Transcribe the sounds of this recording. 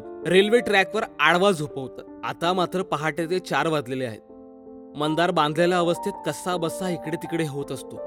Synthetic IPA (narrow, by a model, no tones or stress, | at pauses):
ɾelʋeʈɾækʋəɾaɽʋad͡zɦopəʋt̪a | a̰t̪amat̪ɾəpəɦaʈet͡s̪et͡ɕaɾʋad̪leleaɦḛt̪̚ | mənd̪aɾbãnd̪lalaəʋəst̪ʰit̪̚kəsabəsaikɽet̪ikɽeɦot̪əst̪o